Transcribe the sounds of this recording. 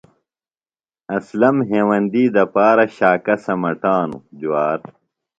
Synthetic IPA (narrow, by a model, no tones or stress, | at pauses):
ɐslɐmɦeːwɐnd̪iːd̪ɐpaːɾɐɕaːkɐsɐmɐʈaːnṵd͡ʑuwaːɾ